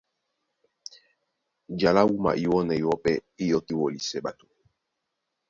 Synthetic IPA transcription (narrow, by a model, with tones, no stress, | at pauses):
d͡ʒa˨la˦wu˦ma̰˨ʔi˦wɔ˦nɛ˨i˨wɔ˦pɛ˦i˦jɔ˦ti˦wɔ˨li˨sɛ˦˨ɓa˨to˨